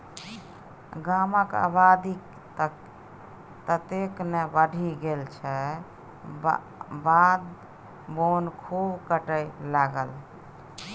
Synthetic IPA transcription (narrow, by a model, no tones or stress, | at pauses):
ɡaməka̰bad̪ik | t̪ək | t̪ət̪eknebəɖʱiɡelt͡ʃʰɛ | bad̪ | bonkʰubkəʈəjlaɡəl